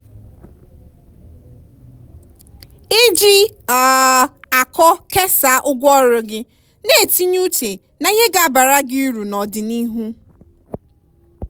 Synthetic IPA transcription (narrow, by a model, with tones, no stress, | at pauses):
ɪ˦d͡ʒi˦ | a˨a˨kɔ˦ke˦sa˨ʔʊ˦ɡʷɔ˦ɾʊ˨ɡɪ˦ | ne˦e˨ti˦ɲ˦u˦te˨ | na˨ɲe˦ɡa˨ba˨ɾa˦ɡi˦ɾu˨nɔ˨dɪ˨ni˦ɦu˦